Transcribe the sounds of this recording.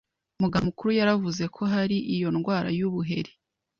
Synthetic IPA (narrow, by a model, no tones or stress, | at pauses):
umuɡamukuɾujaɾavuze̞kʰo̞ɦaɾiʔijo̞nɡwaːɾa̰juβuɦe̞̰ɾe